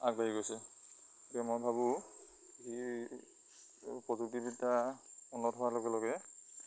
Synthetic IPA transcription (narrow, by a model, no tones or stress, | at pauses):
ak̚baɦiɡojsɛ | tɛmɔjbʱabu | ɡi | pɹɔzuk̚tibitaɔnɔtʰɔwalɔɡɛlɔɡɛ